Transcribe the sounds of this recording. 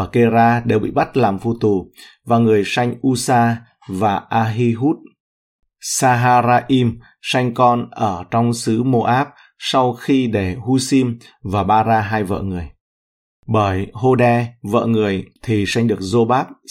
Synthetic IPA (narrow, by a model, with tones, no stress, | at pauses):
ke˧zaː˧ɗe˨˩wɓḭ˧˨ɓa˦˥t̚laː˨˩mfu˧t̪u˨˩vaː˨˩ŋɨ˨˩əjsa˧jŋ̟ʔu˧saː˧ | vaː˨˩ʔaː˧ɦi˧ɦu˦˥t̚ | saː˧ɦaː˧ɾaː˧ʔi˧m | sa˧jŋ̟kɔ˧nʔəː˧˩t͡ɕɔ˧wŋ͡msɨ˨˦mo˧ʔaː˦˥p̚ | sa˧wxi˧ɗe˧˩hu˧si˧m | vaː˨˩ɓaː˧zaː˧ɦaː˧jvə̰ː˧˨ŋɨ˨˩əj | ɓəː˧˩jho˧ɗɛ˧və̰ː˧˨ŋɨ˨˩əjt̪ʰi˨˩sa˧jŋ̟ɗɨ˨˩ək̚zo˧ɓaː˦˥p̚